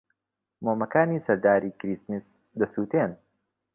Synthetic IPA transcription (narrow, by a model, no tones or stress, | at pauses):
moːmɐkaːniːsɐɾd̪aːɾiːkɾismis | d̪ɐsuːt̪eːn